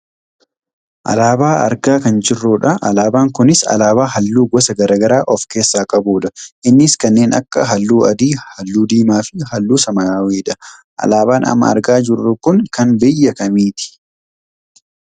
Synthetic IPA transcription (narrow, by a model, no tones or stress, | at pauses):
ʔɐ̰laːbaːʔɐ̰ɾɡaːkɐnd͡ʒɪrːuːᶑɐʔɐlaːbaːŋkʊnɪsɐ̰laːbaːhɐlːuːɡɔsɐɡɐɾaːɡɐɾaːʔɔfke̞ːsːaːkʼɐbuːᶑɐʔɪnːɪskɐnːe̞ːnɐ̰kːɐɦɐlːuːɐd̪iːhɐlːuːd̪iːmaːfɪhɐlːuːsɐmɐaːweːᶑɐʔɐ̰laːbaːnɐ̰mːɐ̰ɐ̰ɾɡaːd͡ʒɪrːʊkʊŋkɐnbɪjːɐkɐmiːt̪ɪ̥